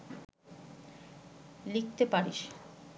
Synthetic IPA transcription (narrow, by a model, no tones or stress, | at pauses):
lik̚t̪epaɾiʃ